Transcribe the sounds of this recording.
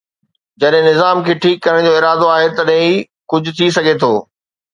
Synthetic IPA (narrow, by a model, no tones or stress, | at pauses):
d͡ʑɐɗɦɪ̃nɪzaːmkʰeːʈʰiːkːɐɾəɽ̃d͡ʑoːɪɾaːd̪oaːɦet̪ɐɗɦɪ̃i | kʊd͡ʑʱʊ̆t̪ʰis̬ɐɡʱet̪ʰoː